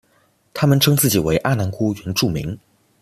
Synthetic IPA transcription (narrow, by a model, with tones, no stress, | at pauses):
t̪ʰa˥mə˨nʈ͡ʂʰɤ˥ŋt͡sɹ̩˥˩t͡ɕi˨˩we˧˥ɪʔa˥˩na˧˥nkʰu˥ɥɛ˧˥nʈ͡ʂu˥˩mḭ˧˥ŋ